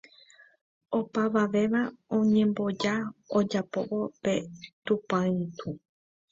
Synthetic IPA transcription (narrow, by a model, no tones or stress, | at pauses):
o̞paʋaʋe̞ʋaõɲẽ̞mbo̞d͡ʒaod͡ʒapo̞ʔo̞pe̞t̪upãĩt̪u